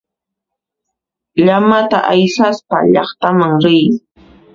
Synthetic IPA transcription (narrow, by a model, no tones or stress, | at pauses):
ʎamat̪a̰ʔajsaspa̰ʎɑχt̪amaŋɾɪj